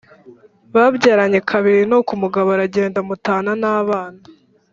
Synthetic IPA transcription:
βabɟaːɾaɲe̞kʰaβiɾinokumuɡaβaɾaɟe̞ːndamutaːnanaːβaːna

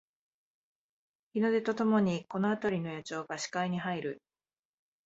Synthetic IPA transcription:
çʲino̞d̪e̞t̪o̞t̪o̞mo̞ɲ̟iko̞no̞at̪aɾʲino̞jat͡ɕo̞ːɡaɕi̥kaiɲ̟iɦaiɾɯ̟

